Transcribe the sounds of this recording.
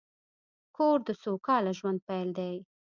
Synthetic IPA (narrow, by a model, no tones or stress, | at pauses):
koɾd̪əsokɑlaʒwand̪̚pajld̪aj